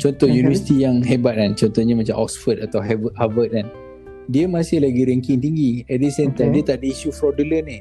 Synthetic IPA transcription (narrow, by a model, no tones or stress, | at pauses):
t͡ʃɔnt̪ɔhjunivəsi̥t̪ijaŋɦebat̪̚ant͡ʃɔnt̪ɔhɲəmat͡ʃa̰mʔɔksfədat̪awɦɛvəhavət̚an | diəmasɪhlaɡiɾɛŋkɪŋt̪iŋɡiɛdisɛnt̪adiət̪aʔdəiʃufɾɔdələnɪh